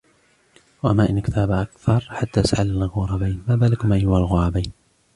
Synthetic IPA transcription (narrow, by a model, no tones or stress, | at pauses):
waʔamːaːʔɪnːkɪt̪ʰaːbaʔakθɑɾˤħat̪ːaːʔasʕallɣʊɾˤɑbajnmaːbaːlɪkʊmʔajʊhalɣʊɾˤɑbajn